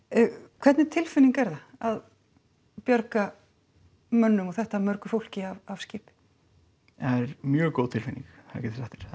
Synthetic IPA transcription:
kʰv̥ɛt̪nɪt̪ʰɪlfɪniŋkɛɾðaað | pjœɾka | mœnːʏmɔɣθɛht̪amœɾkʏ̥fowl̥cɪavav̥scɪːpɪ̥ | ɛɾmjœːɣkowðt̪ʰɪlfɪniŋkacɛt̪θsɛht̪ɪ̥ɾ̥

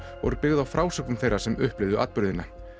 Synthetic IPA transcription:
vɔ̰ɾʏpɪɣðawfɾaːwsɛkvʏmθejɾːasɛmʏhplɪvðʏa̰t̪pʏɾðɪnːa

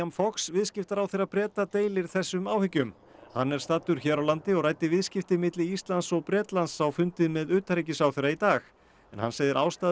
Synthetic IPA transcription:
amfɔksvɪðscɪft̪aɾawθeɾaðpɾɛːt̪at̪eːjlɪɾ̥θɛsːʏmaːwhɪcʏm | hanːɛɾ̥st̪aːt̪ːʏɾ̥çɛːɾawlant̪ɪɔɣrajt̪ɪvɪðscɪft̪ɪmɪt̪lɪist̪lant̪sɔɣpɾɛːt̪lansawfʏnt̪ɪðmɛðʏːt̪aɾicɪsawθeɾːait̪aːx | ɛnha̰nseːjðɪɾʔa̰ːwst̪aː

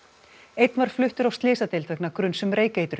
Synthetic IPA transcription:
ejt̪nvaɾ̥flʏht̪ʏɾawst̪lɪːsat̪ɪlt̪vɛknakɾʏnsɛmreːjkeːjt̪ʏɾ

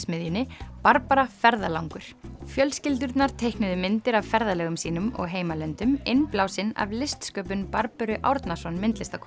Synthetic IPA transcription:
smɪðjɪnɪpaɾpaɾafɛɾðalawŋkʏɾ̥fjœlscɪlt̪̬ʏɾt̪naɾ̥t̪ʰejhknʏðʏmɪnt̪ɪɾavfɛɾðalɛːɣʏmsiːnʏmɔ̰ɣɦeːjmalɛnt̪ʏmɪnplawsɪna̰vlɪst̪skœːpʏnpaɾpʏɾʏʔa̰wɾt̪nasɔnmɪnt̪lɪst̪akʰ

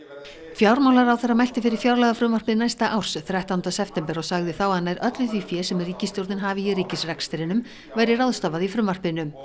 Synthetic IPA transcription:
fjawɾmawlaɾawθɛrːamajl̥t̪ɪfɪɾɪɾ̥fjawɾlɛɣafɾʏmvarpɪnajst̪aʔawr̥sθɾaht̪awnt̪asɛft̪ɛmpɛɾɔɣsaɣðɪθawaðnajɾʔœt̪lʏθʰviːfjɛːsɛmrːiːcɪst̪jowɾt̪ɪnɦaːvɪriːcɪsrɛknst̪ɪɾɪnʏm | vajɾɪrawðst̪avaðifɾʏmvar̥pɪnʏm

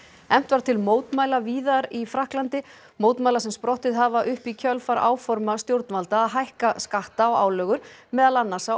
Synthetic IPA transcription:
ɛm̥t̪vaɾ̥t̪ʰɪlmoːwt̪maːjlaviːðaɾifɾahklant̪ɪ | moːwt̪majlaɾsɛmspɾɔht̪ɪðɦavaʔʏhpicʰœlfaɾa̰ːwfɔɾmast̪jowɾt̪nvalt̪aːðɦajhkaskaht̪aɔa̰ːwlœːɣʏɾ̥mɛːðalanːasa

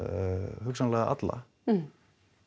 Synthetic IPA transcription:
hʏksanlɛɣaʔa̰t̪la̰

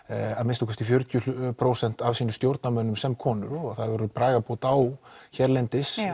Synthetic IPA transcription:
aðmɪnst̪akʰɛfst̪ɪfjœɾt̪jʏpʰɾowsɛn̥t̪avsiːnʏst̪jowɾt̪̚namœnːʏmsɛmkʰɔːnʏɾɔɣθaðvɔɾʏpɾaːɣapowt̪awçɛɾlɛjnt̪ɪs

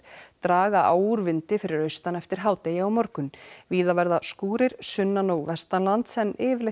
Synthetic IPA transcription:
t̪ɾaːɣaʔaːwɾvɪnt̪ɪfɪɾɪɾœɥst̪anɛft̪ɪɾ̥ɦaːwt̪eːjaawmɔɾkʏnviːðavɛɾðaskuːɾɪɾ̥sʏnːanowvɛst̪anlant̪sɛnːʔɪːvɪle

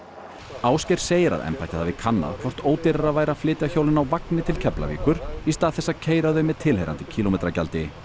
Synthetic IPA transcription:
aːwscɛjɾ̥seːjɪɾa̰ðɛ̰mpa̰jt̪ɪθavɪkʰanːa̰ðkʰvɔr̥t̪oːwt̪ɪɾaɾaðvaːjɾaflɪːt̪ɪaçowlɪnawvaknɪt̪ʰɪlcʰɛpla̰vḭːkʏɾ̥ist̪aːðθɛsːacʰeːjɾaðœɥmɛðt̪ʰɪlɦejɾant̪ɪcʰiːlomejt̪ɾaca̰lt̪ɪ

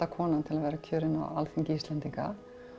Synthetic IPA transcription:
akʰɔːnant̪ʰɪlaðvɛːɾacʰœːɾɪna̰alfiɲcɪist̪lɛnt̪iŋka̰

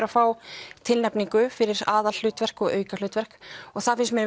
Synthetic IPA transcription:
ɾafaːwt̪ʰɪlnɛpniŋkʏfɪɾɪɾaːðal̥ʏːt̪vɛr̥kɔɣœːɥkal̥ʏːt̪vɛr̥kɔɣθaðfɪnsmjɛɾ

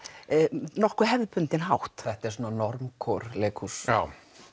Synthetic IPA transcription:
nɔhkvʏɦɛvðpʏnt̪ɪnɦawht̪θɛht̪ɛɾs̬ɔːnanɔɾmkʰɔɾleːkʰusaːw

